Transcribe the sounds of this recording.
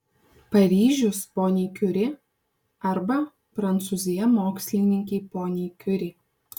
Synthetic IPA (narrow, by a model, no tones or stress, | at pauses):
pɐɾʲiːʒʲʊspoːnʲeɪkʲʊɾʲɪ | ɐɾbɐ | pɾɐnt̪suːzʲɪjɛmoːksʲlʲɪnʲɪŋʲkʲɛɪpoːnʲeɪkʲʊɾʲɪ